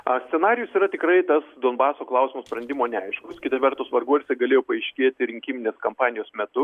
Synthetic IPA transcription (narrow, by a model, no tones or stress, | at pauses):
ɐsʲt̪ʲɛnɑːɾʲɪjʊsiːɾɐt̪ʲɪkɾɐɪt̪ɐsd̪oːnbɑːsoːklˠɐʊsʲɪmɐspɾɐnd̪ʲɪmoːnʲɛɐɪʃkʊskʲɪt̪ɐʋʲɛrt̪ʊsʋɐrɡuɔsʲɛɡɐlʲeːjoːpɐɐɪʃʲkʲeːt̪ʲɪɾʲɪŋʲkʲiːmʲɪnʲeːskɐmpɑːnʲɪjoːsmʲɛt̪ʊ